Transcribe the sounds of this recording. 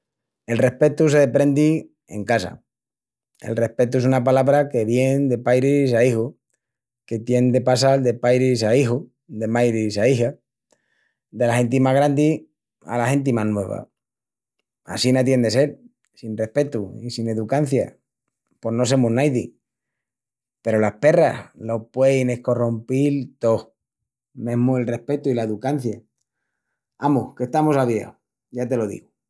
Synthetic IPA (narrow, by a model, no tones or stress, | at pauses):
e̞lre̞hpe̞t̪us̬e̞ðepɾe̞nd̪i | e̞̰ŋkasa̰ | e̞̰lre̞hpe̞t̪ue̞sunapalaβɾake̞βje̞nd̪e̞pajɾisaixo | ke̞t̪je̞nd̪e̞pasald̪e̞pajɾisaixo | d̪e̞majɾisaixa | d̪e̞lahe̞nt̪̬imaɣ̞ɾand̪i | a̰lahe̞nt̪̬imanwe̞βa̰ | a̰sinat̪̬je̞nd̪ese̞l | sinre̞hpe̞t̪uisine̞ðukan̟θja̰ | po̞no̞s̬emuɦnajðḭ | pe̞ɾolape̞ra̰slo̞pwejneko̞rompilt̪o̞ | mẽ̞ɦmuelre̞hpe̞t̪uilaeðukan̟θja | amuke̞st̪amosaβja̰w | ʝat̪e̞lo̞ðḭɣu